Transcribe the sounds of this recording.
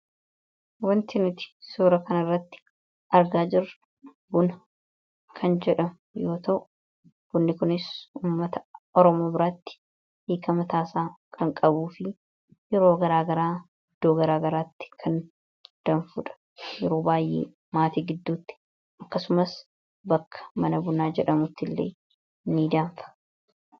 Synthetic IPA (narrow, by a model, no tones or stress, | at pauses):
wɐnt̪ɪnʊt̪ɪ̥suːɾɐkɐnɐrːɐt̪ːɪ̥ | ʔɐɾɡaːd͡ʒɪrːɐ | bʊnɐ | kʰɐnd͡ʒɛᶑɐm | jo̞ːt̪ɐʔʊ | b̥ʊnːɪkʊnɪsuːmːɐt̪ɐɔɾɔmo̞ːbɪɾaːt̪ːɪ̥ | hiːkɐmɐt̪aːsaːkʰɐŋkʼɐbuːfɪ | jɛɾo̞ːɡɐɾaːɡɐɾaː | ɪd̪̥ːoːɡɐɾaːɡɐɾaːt̪ːɪ̥kʰɐn | d̪̥ɐnfʊᶑ̪ɐ̥ | jɛɾo̞ːbaːjːḛː | maːt̪iːɡɪd̪ːuːt̪ːɪ̥ | ʔɐkːɐsʊmɐs | bɐkːɐ̥mɐnɐbʊnaːd͡ʒɛᶑɐmʊt̪ːɪlːḛː | nːiːd̪aːɱfɐ̥